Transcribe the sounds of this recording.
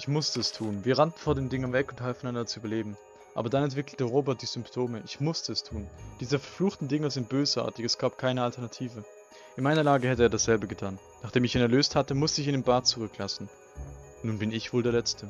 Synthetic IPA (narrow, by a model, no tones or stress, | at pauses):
ʔɪçmʊstəɛstʰuːnviːɐʁantn̩foɐdeːndɪŋɐnvɛkʊn̩thalfn̩ʔandɐt͡suʔybɐleːbm̩ | ʔa̰ːbɐdanɛntv̥ɪkl̩təʁoːbɛɐt̚d̥iːzʏmptʰoːməʔɪçmʊstəɛstʰuːnd̥iːzəfɛɐfluːxtn̩dɪŋəzɪnt̚b̥øːsʔa̰ɐtɪçɛsɡ̥aːp̚kʰaɪnəaltɛɐnatʰiːvə | ʔɪnmaɪnɐlaːɡəhɛtəeːɐdasz̥ɛlbəɡətʰaːn | naːχd̥eːmɪçiːnɛɐløːsthatəmʊstəɪçɪndeːnbaɐt̚t͡suʁʏklasn̩ | nːuːnbɪnɪçv̥oːldeːɐlɛt͡stʰə